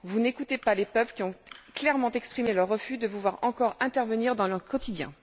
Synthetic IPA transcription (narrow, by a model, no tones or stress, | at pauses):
vunekut̪epalepœpləkʲiɔ̃klɛʁmɑ̃t̪ɛkspχimelœʁːəfyd̪əvulwaʁɑ̃kɔʁɛ̃t̪ɛʁvəniʁd̪ɑ̃lœʁkɔt̪id̪jɛ̰̃